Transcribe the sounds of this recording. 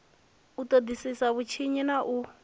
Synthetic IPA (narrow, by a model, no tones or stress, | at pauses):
utʼod̪isisaβut͡ʃʰiɲinaʔu